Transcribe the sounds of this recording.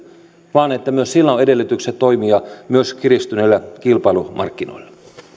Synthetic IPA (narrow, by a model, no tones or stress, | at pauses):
ʋɑːnet̪ːæmyøssilːæonedelːyt̪ykset̪to̞imiɑmyøskirist̪ynelːækilpɑilumɑ̰rkːino̰ilːɑ